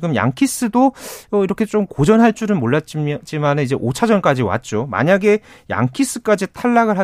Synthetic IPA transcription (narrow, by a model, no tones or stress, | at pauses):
ɡɯmja̰ŋkʰis͈ɯdoʌiɾʌkʰe̞t͡ɕ͈omkod͡ʑʌnɦaɭt͡ɕ͈uɾɯnmoɭːat̚t͡ɕ͈t͡ɕ͈imanɯnid͡ʑe̞ʔot͡ɕʰad͡ʑʌnk͈ad͡ʑiwa̰t̚t͡ɕ͈oma̰ɲaɡe̞ | ja̰ŋkʰis͈ɯk͈ad͡ʑitʰaɭːaɡɯɭɦa